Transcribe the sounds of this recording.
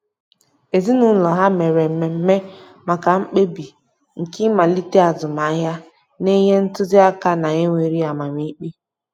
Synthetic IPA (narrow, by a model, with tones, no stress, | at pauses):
e˨zi˦nʊ˨n̩˦lɔ˨ɦa˦me˨ɾe˨m̩˨me˨m̩˦me˦ | ma˨ka˨ŋ͡m̩˦k͡pe˦bi˨ | ŋ̩˨ki˦ma˨li˦te˦a˨zʊ˨ma˨˦ɦa˦ | ne˦ɦe˦n̩˦tʊ˦zɪ˦a˦ka˦na˨ɲe˦ŋʷe˨ɾi˦a˨ma˨m˦i˦k͡pi˦